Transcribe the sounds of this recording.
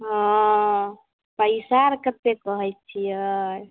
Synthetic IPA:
ɦɔ̃ | pəjsaɾkət̪ːekəɦəjt̪̚t͡ʃʰijə

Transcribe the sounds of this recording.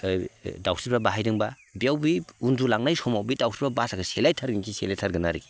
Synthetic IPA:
dawsibabaɦajdɯŋba | bijawbiundulaŋnajsɔmawbidawsibabasakʰaselajtʰaɾɡinkʰiselajtʰaɾɡɯnaɾiɡi

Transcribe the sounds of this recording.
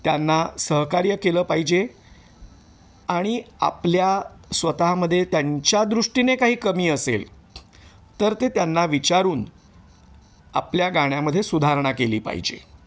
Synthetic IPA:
t̪janːasəɦkaɾjəkeləːpaɦid͡ʑe | aɽ̃ia̰pljasʋət̪aɦməd̪ʱːjet̪jaɲt͡ɕjad̪ɾuʂʈinekaɦiːkəmiːəsḛl | t̪əɾt̪et̪janːaʋit͡ɕaɾuːn | a̰pljaɡaɽ̃jaməd̪ʱːjesud̪ʱaɾɳ̃akelḭːpa̰ɦḭd͡ʑḛ

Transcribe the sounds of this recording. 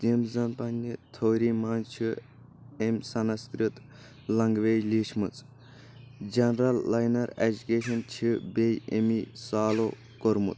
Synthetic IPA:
t̪imzɐnpɐnʲːit̪ʰoːɾiːmaːnt͡ʃʰi | emsɐnɐskɾɨt̪ | lɐŋɡʋeːjliːʃmɨt͡sʼ | d͡ʒɐnɾɐlːɐjnɐɾed͡ʒukeːʃɐnt͡ʃʰibejemisaːlo | koɾmṵt̪

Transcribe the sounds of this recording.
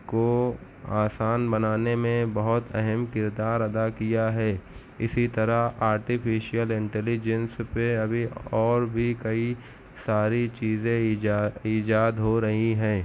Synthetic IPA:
ko | aːsaːnbɐnaːnemẽbɐɦʊt̪ɛɦɛmkɪɾd̪aːɾɐd̪akijaɦɛː | ɪ̰sit̪ɐɾəɦaːɾʈifʰɪʃijəlɪ̃ɳʈɛːlɪd͡ʒə̃nspeɐbʱiɔːɾbʱikɐi | saːɾit͡ʃiːzẽiːd͡ʒaːd̪ɦoɾɐɦiɦɛ̃ː

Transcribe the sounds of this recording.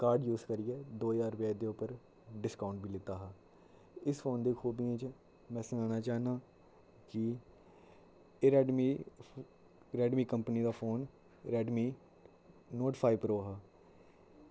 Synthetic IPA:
kaːɾɖjuːzkəɾɪɛːd̪oːjaːɾpjaːd̪eːʊpəɾ | ɖɪskaːʊɳʈ̚biːlɪt̪aːɦaː | ɪsfʰoːnd̪eːkʰoːbinẽːt͡ʃ | mɛ̃ːsənãːnaːt͡ʃaːnaː | kɪ | ɾɛːɖmi | ɾɛːɖmiːkəmpniːd̪aːpʰoːn | ɾɛːɖmiː | noːʈpʰaːipɾoːɦaː

